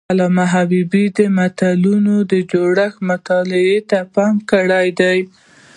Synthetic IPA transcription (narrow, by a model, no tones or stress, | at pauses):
alɑmaɦabibid̪əmat̪alunod̪əd͡ʒoɽaxmʊt̪ɑlɪet̪apɑmkəɽajd̪aj